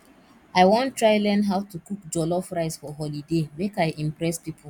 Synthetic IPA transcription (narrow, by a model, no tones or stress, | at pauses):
aɪwɔ̃ntːɹaɪlɛ̃nɦaʊtukukd͡ʒɔlɔfɹaɪsfɔɦɔlidemekaɪʔĩmpɹɛspipʰul